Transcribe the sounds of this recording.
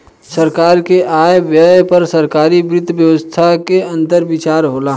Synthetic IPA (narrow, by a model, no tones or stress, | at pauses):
sɐɾkaːɾkeʔaːjʋjəpɐɾsɐɾkaːɾibɾɪd̪ʱʋjəʋəst̪ʰakeɐ̃nt̪əɾbɪt͡ʃaːɾɦoːlaː